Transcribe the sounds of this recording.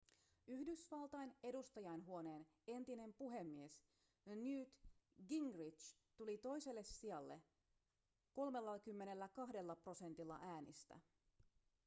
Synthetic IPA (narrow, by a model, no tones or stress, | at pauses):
yhdysʋɑlt̪ɑjne̞dust̪ɑjɑjnɦuo̞ne̞ːne̞nt̪ine̞mpuɦe̞mːie̞s | njyːt̪ɡiŋɡrit͡ʃ | t̪ulit̪o̞jse̞lːe̞sːiɑlːe̞̰ | ko̞lme̞lːɑkymːe̞ne̞lːækɑɦde̞lːɑpro̞se̞nt̪ilːɑ̰ʔæːnḭst̪æ̰